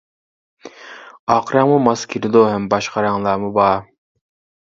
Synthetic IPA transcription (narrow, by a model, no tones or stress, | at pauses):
ɑqɾɑŋmumɑskʲʰiɾɪd̪oɦɛmbɑʃqɑɾɑŋlˠɑːmubɑː